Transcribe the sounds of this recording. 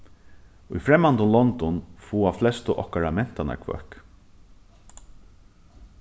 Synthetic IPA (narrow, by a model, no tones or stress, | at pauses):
ʊjfɾɛmːant̪ʊnlɔnt̪ɔnfuːaflɛst̪əʔɔ̰hkaɾamɛn̥t̪ana̰ɹkʰvœ̰hk